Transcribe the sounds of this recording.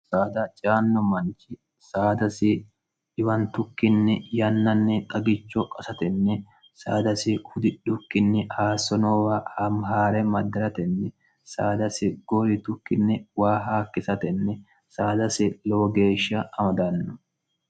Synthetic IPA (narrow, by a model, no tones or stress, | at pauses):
saːd̪ɐt͡ʃʼaːnːɔmɐnt͡ʃɪ | saːd̪ɐsɪ | ᶑɪwɐnt̪ʊkːɪnːɪjɐnːɐnːɪʔʼɐɡɪt͡ʃːɔkʼɐsɐt̪ɛnːɛ | sa̰ːd̪ɐsɪhʊd̪ɪᶑʊkːɪnːɪhaːsɔnɔːwɐhɐmɦaːɾɛmɐd̪ːɐɾɐt̪ɛnːɛ | saːd̪ɐsɪɡ̥ɔɾɪt̪ʊkːɪnːɪwaːɦaːkːɪsɐt̪ɛnːɛ | saːd̪ɐsɪloːɡe̞ːʃɐɐmɐd̪ɐnːʊ